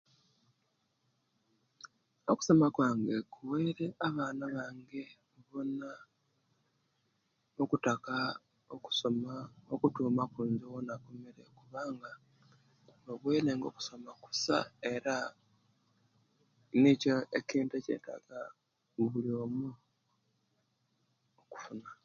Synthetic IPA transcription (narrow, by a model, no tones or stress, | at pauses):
oku̥so̞makwaːŋɡe̞kʰuweːɾe̞ʔaβaːnaβaːŋɡe̞ | βona | okutaka | oku̥somaokutuːmakuːnzowonako̞meɾe̞kuβaːŋɡa | oβweːɾe̞ːŋɡo̞ku̥so̞maku̥sa̰e̞ɾa | nicoeciːntece̞̰ːta̰ɡa | βuliomu | oku̥funa